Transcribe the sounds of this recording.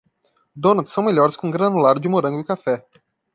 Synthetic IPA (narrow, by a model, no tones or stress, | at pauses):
d̪onɐt̪sɐ̃w̃milʲɔɾskũŋɡɾɐnulaɾd̪imoɾə̃ŋɡukafɛ